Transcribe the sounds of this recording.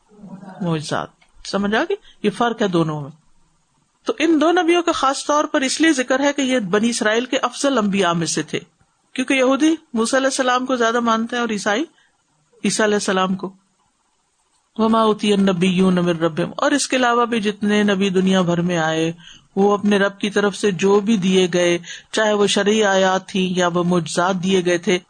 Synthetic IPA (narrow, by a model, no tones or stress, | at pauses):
moːd͡ʒɪza̰ːt̪̚ | sɐməd͡ʒʱaːkijefɐɾkɦɛd̪oːnõʋõmẽ | t̪oʔɪnd̪oːnɐbijõkaxaːst̪ɔːɾpɐɾɪsliezɪkəɾɦɛkejebɐniɪsɾaːiːlkeʔɐfzəlɐ̃mbijaːmẽset̪ʰḛː | kjõːkejɐɦuːd̪imuːsaɐlɛːsːɐlaːmkozjaːd̪amãːnt̪eɦɛ̃ɔːɾiːsaːi | iːsaɐlɛːsːɐlaːmko | ʋɐmaːuːt̪ɪjɐnːɐbɪjːuːnɐmɪ̃nɾɐbːɪmɔ̰ːɾɪskeɐlaːʋabʱid͡ʒɪt̪nenɐbid̪ʊnijabʱɐɾmẽaːeʋoɐpneɾɐb̚kit̪ɐɾəfsed͡ʒoːbʱid̪ieɡɐet͡ʃaːɦeʋoʃɐɾiaːjaːt̪ʰːĩjaʋomoːd͡ʒɪzaːt̪̚d̪ieɡɐet̪ʰeː